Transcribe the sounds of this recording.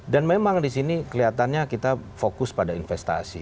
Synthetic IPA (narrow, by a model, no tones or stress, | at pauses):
danmemaŋdisinikəliat̪anɲakit̪afokʊspadainfɛst̪a̰sḭ